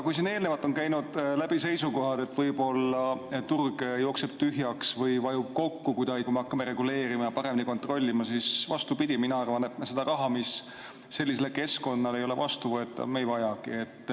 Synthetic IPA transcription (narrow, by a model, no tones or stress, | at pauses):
kujs̬ine̞ːlne̞vɑt̪ːˑo̞nkæjnud̪̥læb̥ise̞jsuko̞ɦɑd̪̥e̞t̪ːˑvɤjbo̞lːɑt̪urɡ̥jo̞ːkseb̥̚t̪yɦjɑksvɤjvɑjub̥̚ko̞kːukujd̪ɑɡikumeɑkːɑme̞ɾe̞ɡule̞ːɾimɑjɑpɑɾeminiko̞nt̪ˑro̞lʲːimɑsisvɑst̪upid̪̥ʲiminɑɑrvɑnet̪mse̞d̪ɑrɑɦɑmisː | e̞lːis̬e̞leke̞sko̞nːɑle̞jole̞̰vɑst̪uvɤe̞t̪ːˑɑ̰vmejvɑjɑkḭe̞t̪ː